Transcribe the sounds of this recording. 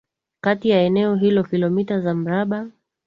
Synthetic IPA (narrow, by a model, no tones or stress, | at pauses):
katijaɛnɛɔɦilɔkilɔmitazam̩ɾaɓa